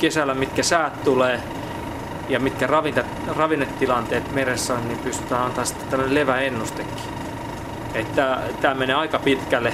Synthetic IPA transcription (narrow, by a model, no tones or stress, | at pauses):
kesælːˑæmit̪kæsæːt̪t̪uleː | jɑmit̪kærɑʋint̪e | rɑʋinːet̪ːilɑnt̪eːt̪meresːæonnimpyst̪y̥t̪æːɑnt̪ɑsi̥t̪ːe̥t̪æmːneleʋæenːust̪ekːi̥ | et̪ːæt̪æːmeneːɑikɑpit̪kælːe